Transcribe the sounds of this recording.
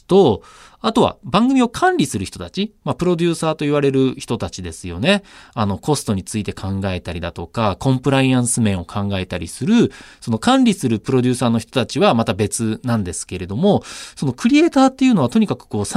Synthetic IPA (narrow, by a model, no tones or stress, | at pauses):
t̪o̞ | at̪o̞βa̰bãŋɡɯ̟mʲio̞kʰãnɾʲisɨɾɯ̟çi̥t̪o̞t̪at͡ɕimapɯ̟ɾo̞d̪ʲɨːsaːt̪o̞iβ̞aɾe̞ɾɯ̟çi̥t̪o̞t̪at͡ɕid̪e̞sɨjo̞ne̞ano̞ko̞sɨ̥t̪o̞ɲ̟it͡sɨit̪e̞kʰãŋɡae̞t̪aɾʲid̪at̪o̞kakʰõ̞mpɯ̟ɾaiãɰ̃sɨmẽ̞ɰ̃o̞kʰãŋɡae̞t̪aɾʲisɨɾɯ̟so̞no̞kãnɾʲisɨɾɯ̟pɯ̟ɾo̞dʲɨːsaːno̞çi̥t̪ot̪at͡ɕiβamat̪abe̞t͡sɨnãnd̪e̞sɨ̥ke̞ɾe̞d̪o̞mo̞so̞no̞kɯ̟ɾʲie̞ːt̪aːt̪ːe̞iɯ̟ːno̞β̞at̪o̞ɲ̟ikakɯ̟̥ko̞ːsa